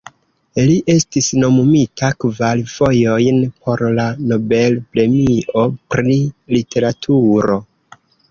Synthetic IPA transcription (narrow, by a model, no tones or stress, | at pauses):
liʔe̞stisno̞mumitʰakvalv̥o̞jo̞jnpʰo̞ɾlano̞be̞lpɾe̞miʔo̞pɾilitʰe̞ɾatʰuɾo̞